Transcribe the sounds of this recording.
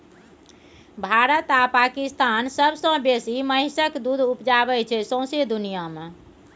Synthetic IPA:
bʱaɾət̪apakist̪ansəbsə̃besiməɦɪsəkd̪ud̪ʱupd͡ʒabɛt͡ʃʰɛsõsed̪unijame

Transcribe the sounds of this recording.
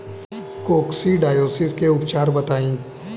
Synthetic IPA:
koːksiɖaːjoːsɪskeʊpt͡ʃaːɾbɐt̪aːĩː

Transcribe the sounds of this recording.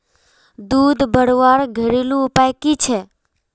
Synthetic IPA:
d̪ud̪ʱbəɽʋaɾɡʱəɾilũupajkit͡ʃʰe

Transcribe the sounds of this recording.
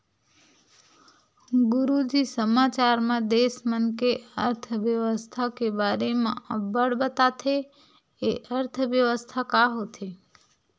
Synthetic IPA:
ɡʊɾud͡ʒisəmat͡ʃaɾmãd̪esmənkeə̰ɾt̪ʰəʋjəʋəst̪ʰakebaːɾemã̰ʔəbəɽbət̪at̪ʰe | eʔəɾt̪ʰəʋjəʋəst̪ʰakaɦot̪ʰe

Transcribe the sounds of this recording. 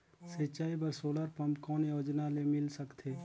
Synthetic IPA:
sɐt͡ʃaːibəɾsoːləɾpɐmpkɔːnjoːd͡ʒnalemɪlsəkt̪ʰeː

